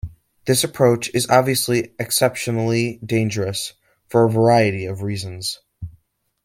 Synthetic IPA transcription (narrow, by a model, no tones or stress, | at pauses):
ðɪsɨpʰɹ̥oʊt͡ʃɨzɑbviɨsliɨksɛpʃɨnl̩ˠidẽɪ̃nd͡ʒə˞ɨs | fə˞əvə˞aɪɨɾiʌvɹizɨ̃n̩z̥